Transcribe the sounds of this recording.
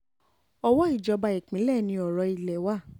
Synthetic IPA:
ɔ˧wɔ˦i˦˨d͡ʒɔ˧ba˧i˨k͡pĩ˨˦lɛ˦˨nĩ˧ɔ˨ɾɔ˧i˧lɛ˨wa˦˨

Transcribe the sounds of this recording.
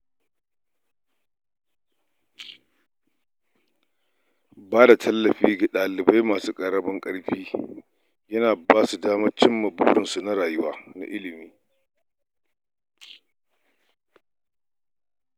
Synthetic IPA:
baː˦da˨tʰɐ˦lːɐ˨ɸiː˦ɡa˨ɗaː˨lɪ˨ba˦jmaː˨suː˦kʼɐ˨ɽɐ˦bɐ˦ŋkʼɐ˦ɽɸiː˦ | jɐ˦naː˨baː˦su˨daː˦mɐ˦t͡ʃɪ˦mːɐ˨buː˦ɽɪ˨nsu˨na˦ɽaː˨jʊ˦waː˦na̰˨ʔɪ˦lɪ˨miː˦

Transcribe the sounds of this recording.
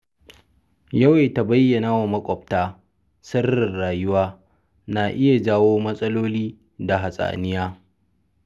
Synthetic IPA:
jɐ˦we˨ta˨bɐ˦jːɐ˨naː˦wa˨mɐ˦kʷʼɔ˨ptaː˦ | sɐ˦rːɪ˨rɽaː˨jʊ˦waː˦ | naː˨ʔɪ˦ja˨d͡ʒaː˦woː˦mɐ˦sʼɐ˦loː˦liː˦ | da˨ɦa˨sʼa̰ː˨nɪ˦jaː˦

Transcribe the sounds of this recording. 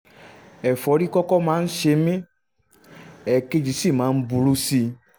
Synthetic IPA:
ɛ˨fɔ˨˦ɖi˦kɔ˦kɔ˦mãː˨˦n̩˦ʃe˧mĩ˦ | ɛ˨ke˦d͡ʒi˨si˦˨mã˨˦n̩˦bu˨lu˦si˧

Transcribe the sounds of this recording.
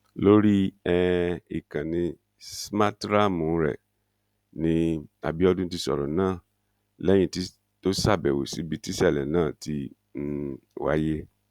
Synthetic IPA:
lo˦ɾi˦ɛ˦i˨kã˨nĩ˧ | sma˦tɾa˦mũ˨˦ɾɛ̰˨ | nĩ˧˦a̰˨bi˦ɔ˦dũ˦ti˧sɔ̰˨ɾɔ̰˨nãː˦˨ | lɛ̃˦ĩ˦˨ti˦ | to˦sa˦˨bɛ˨wo̰˨si˨˦bi˦ti˦sɛ˦˨lɛ̰˨nãː˦˨ti˧˦ | wa̰˦je˦

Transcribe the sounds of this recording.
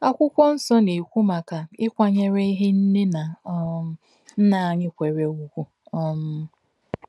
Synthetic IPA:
a˦kʷʊ˦kʷɔ˦n̩˦sɔ˦ne˨kʷu˦ma˨ka˨ɪ˦kʷa˦ɲe˦ɾe˦i˦ɦe˦n̩˦ne˦na˨˦ | n̩˦na˨ɲɪ˦kʷe˨ɾe˨˦ɡʷu˦kʷu˨ | ɔ˦m̩˦

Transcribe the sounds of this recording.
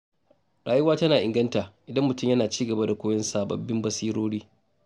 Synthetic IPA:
ɽaː˨jʊ˦waː˦tɐ˦naː˨ʔɪ˨ŋɡɐ˦ntaː˨ʔɪ˨dɐ˦mːʊ˨tʊ˦˨mjɐ˦naː˨t͡ʃiː˦ɡɐ˨ba˦da˨kʷoː˦jɐ˦nsaː˨bɐ̰˨bːɪ˦mbɐ˦siː˦ɾoː˦ɽiː˦

